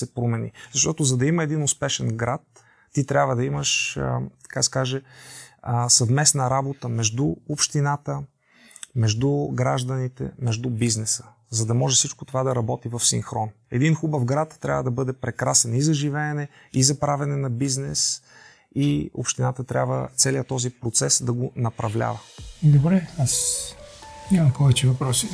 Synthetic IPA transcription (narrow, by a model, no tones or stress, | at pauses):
sɛpɾomɛnḭzɐʃt̪ɔt̪ʊzɐd̪ɐiməɛd̪inʊspɛʃɛnɡɾat̪ː | it̪ɾʲabvəd̪ɐiməʃə̰t̪ɐ̥kasɛ̥kaʒɛ | sɐvmɛsnəɾabot̪əmɛʒd̪uopʃt̪inat̪ə | mɛʒd̪uɡɾaʒd̪ɐnit̪ɛ̰mɛʒd̪ubiznɛsə̥ | zɐd̪ɐmɔʒɛfsit͡ʃkot̪ovad̪ɐɾɐbɔt̪ivɐfsḭŋxɾɔn | ɛd̪inxubəvɡɾat̪ːɾʲa̰vəd̪ɐbɤd̪ɛpɾɛkɾasɛnizɐʒivɛːnɛ | izɐpɾavɛnɛnɐbiznɛs | io̰pʃt̪inat̪ət̪ɾʲʔa̰bvə̰t̪sɛliət̪ɔzipɾot̪sɛsd̪ɐɡonɐpɾɐvlʲa̰vəd̪obɾɛas | imɐmpɔvɛt͡ʃɛvɐpɾɔsi